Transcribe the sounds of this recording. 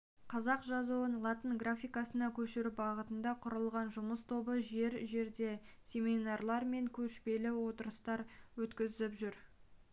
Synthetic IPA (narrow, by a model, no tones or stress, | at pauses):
qʰɑzɑqʒɑzuənlˠɑt̪ənɡrafʲijkɑsənɑkʲʰɵʃɪɾbɑʁət̪ənd̪ɑqʰʊɾəlˠʁɑnʒʊməst̪ʰo̞bəʒe̞ɾʒe̞ɾd̪e̞sʲe̞minɑrlˠɑɾme̞ŋkʲʰɵʃpe̞lɪwo̞t̪əɾəst̪ɑɾwɵt̪kʲɪzɪpʒʏɾ